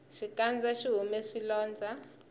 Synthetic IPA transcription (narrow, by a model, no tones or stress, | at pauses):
ʃikand͡zaʃiɦumeʂilɔːnd͡zʱa